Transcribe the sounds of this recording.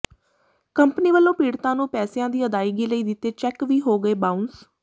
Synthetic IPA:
kəmpniːʋəlːõːpiːɽt̪ãːnũːpɛːsejãːd̪iːəd̪aːɪːɡiːləiːd̪ɪt̪ːeːt͡ʃɛkʋiːɦoːɡəeːbãːʊns

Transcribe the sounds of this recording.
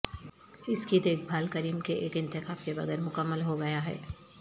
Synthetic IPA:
ɪskid̪eːk̚bʱaːlkəɾiːmkeʔeːkɪ̃nt̪ɪkaːfkebɐ̰ɡɛːɾmʊkəmːəlɦoɡɐjaɦɛ̰ː

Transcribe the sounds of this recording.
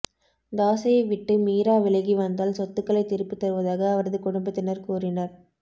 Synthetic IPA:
d̪aːsɐjɐɪʋɪʈːɯmiːɾaːʋɪɭɐɣiʋɐnd̪aːlsɔt̪ːɯkːɐɭɐɪt̪ːɪɾɯpːɯt̪ːɐɾɯʋɐðaːɣɐːʋɐɾɐðɯkʊɽʊmbɐt̪ːɪnɐɾkuːrɪnɐɾ

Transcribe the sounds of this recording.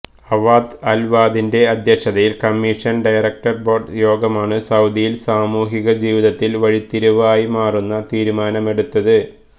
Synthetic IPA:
ɐʋaːd̪ɐlʋaːd̪inde̞ɐd̪ʱjɐkʂɐðɐjilkɐmːiːʂɐnɖɐjrɐk̚ʈɐrboːɖjo̞ːɡɐmaːɳɨsɐwd̪ijilsaːmuːɦiɣɐd͡ʑiːʋiðɐt̪ːilʋɐɻit̪ːiɾuʋaːjimaːrunːɐt̪iːɾumaːnɐme̞ɽut̪ːɐðɨ

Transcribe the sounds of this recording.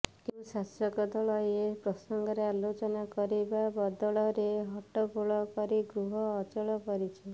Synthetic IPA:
keusasɔkɔd̪ɔɭɔjepɾɔsɔŋɡɔɾealot͡ʃɔnakɔɾibabɔd̪ɔɭɔɾeɦɔʈɔbuɭɔkɔɾiɡɾuɦɔːt͡ʃɔɭɔpɔɾit͡ʃʰi

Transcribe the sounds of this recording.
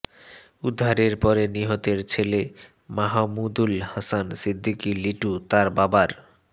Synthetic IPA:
ud̪ʱːaɾeɾpɔɾeniɦot̪eɾt͡ɕʰele | maɦamud̪ulhasansid̪ʱːikiliʈut̪aɾbabaɾ

